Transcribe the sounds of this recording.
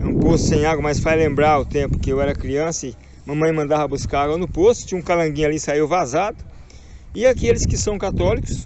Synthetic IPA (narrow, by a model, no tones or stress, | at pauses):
ɛũpost̪ʊ̥sẽj̃aɡwɐmɐsfajlẽmbɾaɾʊt̪ẽmpʊ̥kɪewɛɾɐkɾiɐ̃sɐɪ | mɐ̃mɐ̃j̃mɐ̃nd̪avɐbuskaɾaɡwɐnʊpost̪ʊ̥t͡ʃĩũkalɐ̃ɡĩɲʊalisaiwvazad̪ʊ | ɪakelɪskɪsɐ̃w̃kat̪ɔlikʊ̥s